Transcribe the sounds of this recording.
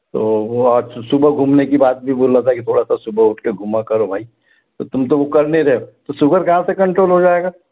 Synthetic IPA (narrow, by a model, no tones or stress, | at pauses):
t̪oːɔːɾsʊbəɡʱuːmnekibaːt̪̚bʱiboːlat̪ʰaɛkit̪ʰoːɽasasʊbəʊʈʰkeɡʱumakɐɾobʱaːi | t̪ot̪ʊmt̪oʋokɐɾneɾɐɦeot̪osʊkəɾkɐɦãsekɐ̃ɳʈɾoːlɦod͡ʒaːeɡaː